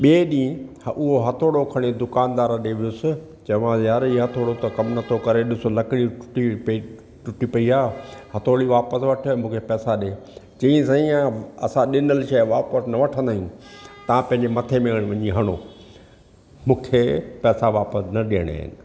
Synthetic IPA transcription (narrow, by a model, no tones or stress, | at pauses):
ɓieːɗĩːhʊɦoɦɐt̪ʰoːɽokʰɐɽ̃ed̪ʊkaːnd̪aːɾəɗeʋɪʊsɪ | t͡ɕɐʋãjaːɾiɦɐt̪ʰoːɽot̪ɐkɐmnɐt̪ʰokɐɾeɗɪsolɐkɪɽiʊ̥ʈip | ʈʊʈipɐiaːhɐt̪ʰoːɽiʋaːpəsʋɐʈʰmũːkʰepɛːsaɗeː | t͡ɕĩĩsãːĩaɐsãɗɪnəlɪʃɐːʋaːpəsnɐʋɐʈʰə̃nd̪aːɦĩt̪ɐãpɐ̃ɦɪ̃ɲd͡ʑemɐt̪ʰemeɽ̃ʋɐɲiɦɐɽ̃o̰ː | mũːkʰepɛːsaʋaːpəsnɐɗiəɽ̃a̰ːɦɪ̰nɪ̆